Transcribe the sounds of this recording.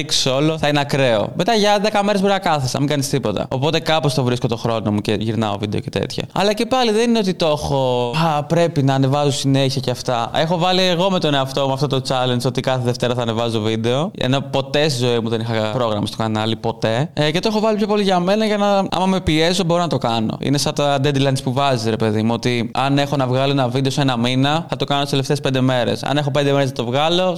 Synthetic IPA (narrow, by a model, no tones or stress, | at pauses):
iksso̞loθɐinɐkɾe̞o̞̰met̪ɐʝɐðekɐmeɾezboɾiɐkɐθesɐ̰miŋɡɐnist̪ipo̞t̪ɐ̰o̞po̞t̪e̞kɐpo̞st̪ovɾisko̞t̪o̞xɾo̞no̞muceʝiɾnɐ̰o̰vid̪e̞o̞ce̞t̪ḛt̪çɐ̰ɐ̰lɐce̞pɐliðe̞nineo̞t̪it̪o̞xo̞pɾe̞pinɐːne̞vɐzosineçiɐceɐft̪ɐe̞xo̞vɐlieɣo̞met̪o̞neɐft̪o̞muɐft̪ot̪ot͡sɐlensot̪ikɐθeðeft̪e̞ɾɐθɐːnevɐzo̞vid̪e̞o̞ḛno̞po̞t̪e̞st̪izo̞imuðe̞nixɐpɾo̞ɣɾɐmɐ̰st̪o̞kɐnɐlipo̞t̪e̞ce̞t̪oexo̞vɐlipço̞po̞liʝɐme̞nɐʝɐnɐɐ̰mɐme̞piezo̞bo̞ɾonɐt̪o̞kɐno̞̰ḭnesɐt̪ɐd̪ed̪ilɐnspuvɐzisɾe̞pe̞ðimuot̪iɐne̞xo̞nɐvɣɐloenɐvid̪e̞osenɐminɐθɐt̪o̞kɐnt̪iseleft̪espe̞nd̪eme̞ɾḛsɐ̰ne̞xo̞p̬end̪e̞meɾeznɐt̪o̞vɣɐlo̞